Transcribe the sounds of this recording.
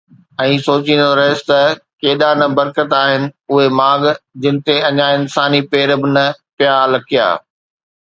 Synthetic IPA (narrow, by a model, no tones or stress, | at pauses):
ɛ̃ːsoːt͡ɕĩnd̪oɾɐɦɪst̪ɐkeːɗanɐbɐɾkət̪aːɦɪnɪ̆ʊɦemaːɡd͡ʑɪ̃nɪ̆t̪eɐɲaɪnsaːnipeːɾbɪnɐpjaːlɐkʰija̰ː